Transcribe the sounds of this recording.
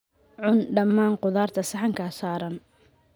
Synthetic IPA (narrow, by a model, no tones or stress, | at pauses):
ʕʊnɖɐmːaːŋqʊðaːrt̪ʰɐsɐħɐŋkʰɐsaːɾɐn